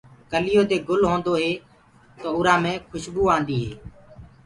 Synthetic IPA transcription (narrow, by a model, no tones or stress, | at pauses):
kəlɪjoːd̪eːɡʊlɦõːnd̪oːɦeː | t̪oːʊɾãːmẽːkʰʊʃbuːãːnd̪iːɦeː